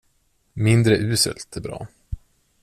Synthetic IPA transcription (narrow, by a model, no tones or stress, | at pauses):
mɪnd̪ɾəʔʉ̟ːsə̰lt̪ɛbɾɑ̰ː